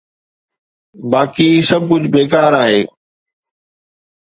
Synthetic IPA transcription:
baːkiːsɐb̚kʊd͡ʑʱbeːkaːɾaːɦeː

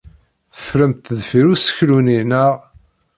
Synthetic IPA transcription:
θə̥fɾəmt̪ðfiɾusə̥çluninəʁ

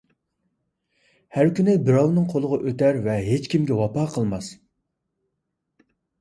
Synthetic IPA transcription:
hæɾkʲynɪbɪɾɑwnɨŋqʰolˠəʁɑʔøt̪æɾvɛɦet͡ʃkʲʰimɡʲɛwɑpɑːqʰəlˠmɑs

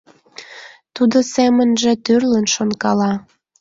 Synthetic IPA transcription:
t̪ud̪osemənʒĕt̪ørlənʃonkɑlɑ

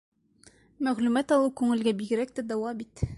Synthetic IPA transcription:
mæʁlʉmæt̪ɒlˠɤkʉŋɘ̆lɡæbiɡɘ̆ɾæk̚t̪æd̪ɒwɑbit̪

